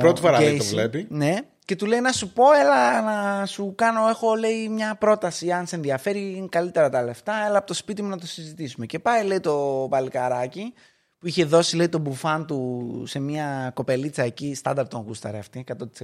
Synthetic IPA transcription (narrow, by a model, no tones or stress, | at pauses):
pɾot̪ifoɾɐeovlepine̞ | ce̞t̪ule̞inɐsupo̞e̞lɐnɐsukɐno̞e̞xo̞le̞imɲɐpɾo̞t̪ɐsiɐnse̞nðiɐfe̞ɾikɐlit̪e̞ɾɐt̪ɐle̞ft̪ɐe̞lɐːpo̞t̪ospit̪̬imunɐt̪o̞sizit̪isume̞ce̞pɐjle̞jt̪o̞pɐlikɐɾɐci | puiçe̞ðo̞sile̞it̪o̞bufɐnt̪use̞miɐko̞pe̞lit͡sɐecist̪ɐ̰nd̪ɐɾt̪oŋɣust̪ɐ̰ɾeɐft̪ikɐt̪o̞t̪i̥se